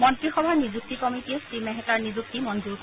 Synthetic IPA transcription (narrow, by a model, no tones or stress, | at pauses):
mɔntɹixɔbʱanizuk̚tikɔmitiɛsimɛɦɛtaɹnizuk̚timɔnd͡ʒuɹk